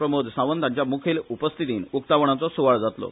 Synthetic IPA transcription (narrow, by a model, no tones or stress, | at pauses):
ɾəmod̪ʱsãʋənt̪ãɲt͡ɕjamukʰiːlupəst̪ʰit̪iːnuk̚t̪aʋɳ̃at͡sɔsuʋaɭd͡zat̪lɔ̰